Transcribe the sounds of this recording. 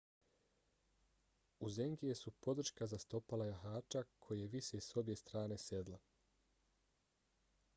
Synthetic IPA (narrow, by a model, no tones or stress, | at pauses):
uze̞ŋɡijesupo̞d̪r̩ʃkazast̪o̞palajaɦaːt͡ʃakʰo̞jejeʋiʃeso̞bje̞st̪ɾaːne̞se̞d̪la